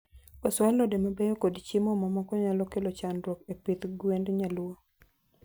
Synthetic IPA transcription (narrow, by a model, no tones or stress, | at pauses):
ɔswalɔdemabejɔkodt͡ʃimɔmɔmɔkɔɲalɔkelɔt͡ʃandɾokepit̪ɡwendɲalwo